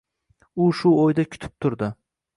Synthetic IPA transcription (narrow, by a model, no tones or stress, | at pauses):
ʊʃʊojd̪akʲʰʊ̥t̪ʰɪ̥p̚t̪ʰʊɾd̪ɪ